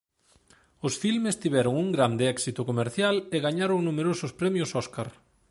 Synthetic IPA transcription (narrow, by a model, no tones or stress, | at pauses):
ʊsfilmest̪iβɛɾʊŋuŋɡɾand̪ɪɛksit̪ʊkomeɾθjaleɣaɲaɾʊŋnumeɾosʊspɾɛmjʊsɔskaɾ